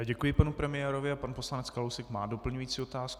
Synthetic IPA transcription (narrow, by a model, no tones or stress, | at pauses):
aɟɛkujɪpanupɾɛmɪjɛːɾo̞vɪapanposlanɛt͡skalowsɛkmaːdo̞pl̩ɲujiːt͡siːot̪aːsku